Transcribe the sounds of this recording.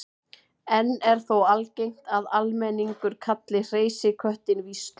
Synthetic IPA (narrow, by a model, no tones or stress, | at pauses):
ɛnːɛɾ̥θowalcejŋ̥t̪aðalmɛniŋkʏɾkʰat̪lɪr̥eːjsɪkʰœht̪ɪnvist̪